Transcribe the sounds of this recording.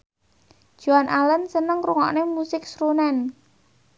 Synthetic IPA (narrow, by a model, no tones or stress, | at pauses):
ʒ̥uanʔalənsənəŋɾuŋɔ̰ʔnemusɪk̚sɾunɛn